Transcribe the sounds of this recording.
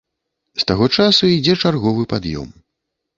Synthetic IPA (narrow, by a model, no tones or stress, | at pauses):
st̪aɣɔt͡ʂasuid͡zʲɛt͡ʂarɣɔvɨpad̪jɔ̰m